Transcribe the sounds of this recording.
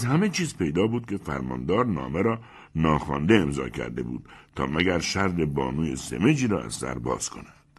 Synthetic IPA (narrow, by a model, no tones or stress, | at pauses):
zhæme̞t͡ʃʰiːzpʰe̞jd̪ɒːbuːd̪̚cʰe̞fæ̰ɾmɒ̰ːnd̪ɒːɾnɒ̰ːmeɾɒː | nɒːxɒːnd̪eemzɒ̰ːcʰæ̰ɾd̪e̞̰bṵːd̪̥̚t̪ʰɒːmæɡæɾʃæɾd̪ebɒ̰ːnuːjesḛme̞d͡ʒiːɾɒːæ̰z̥sæ̰ɾbɒ̰ːz̥kʰo̞̰næd̪̥